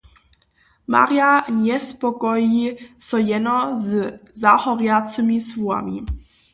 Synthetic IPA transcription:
ma̰ɾjaɲɛspɔkɔjisɔjɛnɔzzahɔɾjat͡səmisvua̰mḭ

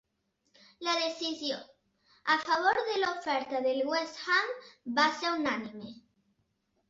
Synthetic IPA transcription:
laðeθisjo̰ŋ | afaβ̞oɾðelaofeɾt̪aðelɣwesxambaseɾunanĩme

